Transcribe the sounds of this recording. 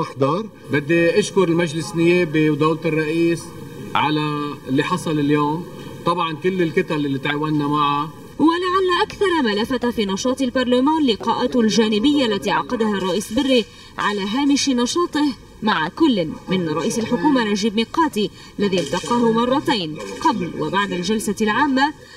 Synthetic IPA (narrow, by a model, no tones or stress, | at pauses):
ʔaħd̪ˤɑɾˤ | bɪd̪ːiʔaʃkʊɾɪlmaʒlɪsnɪjeːbiwd̪owlt̪ɨrˤːɑʔiːs | ʕalalːiħɑsˤɑlɪljoːm | t̪ˤɑbʕɑnkɪlːɪlkɪt̪alɪlːit̪ʕaːwanːamaʕa | walaʕalːaʔakθɑɾˤɑmalafat̪fiːnɑʃɑːt̪ˤɪlbɑɾˤlamaːnlɪqɑːʔat̪lʒaːnɪbɪjːaʔlːat̪iʕɑqɑd̪aharˤːɑʔiːsbɪrːi | ʕalaːɦaːmɪʃnɑʃɑːt̪ˤɪh | maʕakʊlːmɪnɾˤɑʔiːsalħʊkuːmanaʒiːbmiːqɑːt̪iʔalːaðiʔlt̪ɑqɑːɦʊmɑrˤːɑt̪aːnqɑblwa̰baʕd̪alʒalsalʕaːmːa